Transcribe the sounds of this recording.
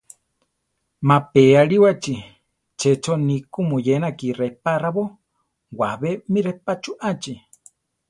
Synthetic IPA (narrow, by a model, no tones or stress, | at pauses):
mapeaɺiwat͡ʃi | t͡ʃʰɛt͡ʃʰonikumujenakirepaɾaβo | waβemiɾɛpat͡ʃuʔat͡ʃi